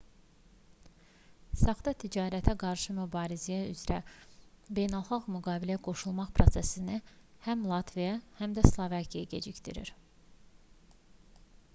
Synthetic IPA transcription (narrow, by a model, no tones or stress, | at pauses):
sɑχd̪ɑt̪ʰid͡ʒɑːɾæt̪ʰæɡɑɾʃɯmybɑːɾizijæyzɾæ | be̞jnælˠχɑʁmyɡɑːbilæɡ̥o̞ʃulˠmɑχpʰɾo̞sesinihæmlˠɑt̪ʰvijɑhæmd̪æslˠovɑkʰijaɟe̞̰d͡ʒicd̪ḭɾḭɾ